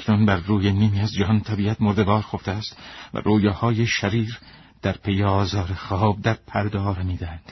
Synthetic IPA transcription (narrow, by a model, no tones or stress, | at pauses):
kʰnunbæɾːuːjeniːmiːæzd͡ʒæɦɒnt̪ʰæbiːæt̪moɾd̪evɒːɾxoft̪eæst̪væ̰roːjɑːhɒːjeʃæɾiːɾ | d̪̥æɾpʰejeɒːzɒːɾexɒːb̚d̪æɾpʰæɾd̪ɒːɾemiːd̪æhæd̪̥